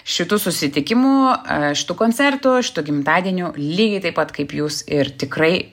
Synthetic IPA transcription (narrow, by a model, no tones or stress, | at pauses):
ʃʲɪt̪uːsʊsʲɪt̪ʲɪkʲɪmuːʃʲɪ̥t̪uːkoːnʲt͡s̪ʲɛrt̪ʊʃʲɪ̥t̪uːɡʲɪmt̪ɑːd̪ʲiɛnʲuːlʲiːɡʲɛɪt̪ɐɪpɐt̪kɐɪpjuːsɪrt̪ʲɪkɾɐɪ